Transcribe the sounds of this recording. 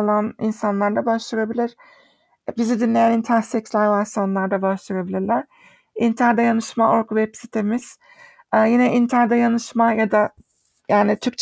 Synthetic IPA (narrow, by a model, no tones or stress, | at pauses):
lˠanḭnsanlˠaɾd̪abaʃlˠɯɾabilʲiɾ̥ | bizid̪inlʲe̞jænint̪ʰæɾsɛkslʲaɾvast̪anlˠaɾd̪abaʃlˠɯɾabilʲiɾlʲæɾ̥ | int̪ʰaɾd̪ajanɯʃmaoɾkvɛpsit̪ʰemiz̥ | ɛjinɛʔint̪ʰæɾd̪ajanɯʃmajad̪a | jaːnit̪ʰyɾk̚t͡ʃʰ